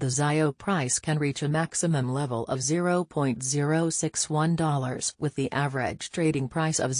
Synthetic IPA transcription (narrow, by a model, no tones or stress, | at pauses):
ðɨzaɪoʊpʰɹ̥aɪskʰɨ̃nɹit͡ʃɨmæksɨmɨ̃mlɛvl̩ˠʔʌvzɪɹoʊpʰɔ̃ɪ̃ntz̥ɪɹoʊsɪkswʌ̃ndɔlˠə˞z̥wɨðiʔævə˞ɪ̰d̥ʒ̥tʰɹ̥eɪɾɪ̃ŋpʰɹ̥aɪsʌ̰v